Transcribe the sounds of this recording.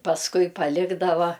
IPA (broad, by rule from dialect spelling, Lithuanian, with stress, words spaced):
pɐsˈkʊɪ pɐˈlʲɪɡdɐʋɐ